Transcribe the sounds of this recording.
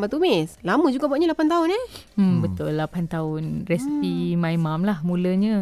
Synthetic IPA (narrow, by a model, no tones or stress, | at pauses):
mat̪umɪslaməd͡ʒuɡaʔbuaʔɲalapant̪aʊnaəmbət̪ʊlːapant̪aʊnrɛsipimãimamlahmuləɲə